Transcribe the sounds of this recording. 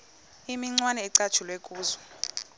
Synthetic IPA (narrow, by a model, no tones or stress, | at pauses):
imiŋ͡ǀwanɛːǀḁt͡ʃʰulwekʼuːzɔ